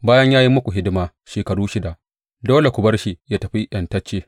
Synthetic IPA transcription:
baː˦jɐ˦ɲjaː˦ji˦mʊ˦kʷu˨ɦɪ˦dɪ˦maː˨ | ʃeː˨kɐ˨ɽuː˦ʃɪ˦da˨ʔ | doː˦le˨kʷʊ˨bɐ˦rʃi˨jaː˦tɐ˨ɸi˦ʔjɐ˨ntɐ˦t͡ʃːeː˦

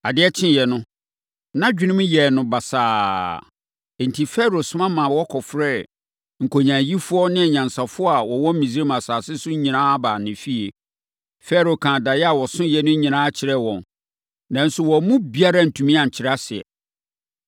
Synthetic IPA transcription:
a˨dɪ˦ɛ˦t͡ɕʰɪ̃˦˨jɛ˨nʊ̃˦ | nã˦d͡ʑᶣɪ˦nɪ̃˦m˦jɛ˨nʊ̃˨ba˨saː˨ | n̩˨tʰi˨fɛ˦ɾo˨sʊ̃˨˦mã˦mã˨wɔ˦kʰɔ˨fɾɛ˦˨ | ŋ̩˨kʰo˨ɲã˨ji˦fʊ˦ɔ˦nɪ̃˦ɛ˨ɲã˨nsa˨fʊ˦ɔ˦a˨wɔ˨wɔ̃˦m˦mĩ˨zi˦ɾe˦mã˨saː˨sɪ˦sʊ˦ɲĩ˨nãː˦baː˨nɪ̃˨fi˦e˨ | fɛ˦ɾo˨kʰã˨da˨jɛ˦a˨wɔ˨sʊ̃˦jɛ˨nʊ̃˦ɲĩ˨nãː˦a˦t͡ɕʰɪ˨ɾɛ˦wɔ̃˨n | nã˨n̩˦sʊ˨wɔ˨˦mũ˦bi˦a˦ɾa˦n̩˨tʰũ˨mĩ˦ã˨ɲ̩˨t͡ɕʰɪ˨ɾa˦sɪ˨ɛ̰˨

